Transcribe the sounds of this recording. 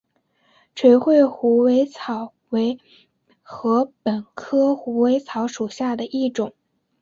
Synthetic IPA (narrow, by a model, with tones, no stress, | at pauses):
ʈ͡ʂʰwe˧˥ɪxwe˥˩ɪxu˧˥we˧˥ɪt͡sʰɑ˨˩ʊ | we˧˥ɪ | xɤ˧˥pə˨˩nkʰɤ˥xu˧˥we˧˥ɪt͡sʰɑ˧˥ʊʂu˨˩ɕja˥˩d̪ə˩ʔi˥˩ʈ͡ʂʊ˨˩˦ŋ